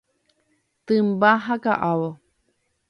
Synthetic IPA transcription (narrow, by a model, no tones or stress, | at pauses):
t̪ɨmbaɦaka̰ʔawo